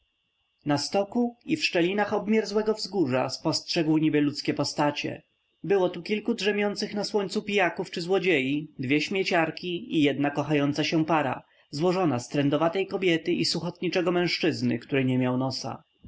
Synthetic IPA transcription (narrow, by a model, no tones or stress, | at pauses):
nast̪ɔkuifʂt͡ʂɛlʲinaxɔbmʲjɛɾzwɛɡɔvzɡuʐa̰spɔstʂɛɡwɲibɘlut̪skʲɛpɔst̪at͡ɕɛ̰ | bɘwɔt̪ukʲilkudʐɛmʲjɔnt̪sɘxnaswɔɲt̪supʲijakuft͡ʂɘzwɔd͡ʑejid̪vʲjɛɕmʲjɛt͡ɕaɾkʲiijɛd̪nakɔxajɔnt̪saɕɛpaɾa̰ | zwɔʐɔnast̪ɾɛnd̪ɔvat̪ɛjkɔbʲjɛt̪ɘʔisuxɔt̪ɲit͡ʂɛɡɔmɛ̃w̃ʂt͡ʂɘznɘ̰kt̪uɾɛɲɛmʲjawnɔsa̰